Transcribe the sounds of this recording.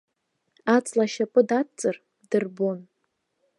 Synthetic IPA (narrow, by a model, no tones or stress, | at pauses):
at͡sʼlaʃapʼɨdatt͡sʼɨr | d̥ɨrbon